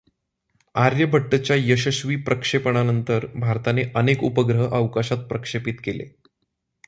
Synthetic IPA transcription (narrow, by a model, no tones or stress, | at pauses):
aɾjəbʱəʈːət͡ɕjajəɕəɕʋiːpɾəkʂepəɳ̃anənt̪əɾbʱaɾt̪aneʔənekupəɡɾəɦəʔəʋkaɕat̪̚pɾəkʂepit̪kelḛ